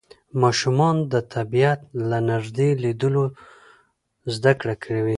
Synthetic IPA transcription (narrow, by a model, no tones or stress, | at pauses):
mɑʃumɑnd̪ət̪ʰabijat̪̚lanaʒd̪elid̪əlo | zd̪akɽakʰɽewi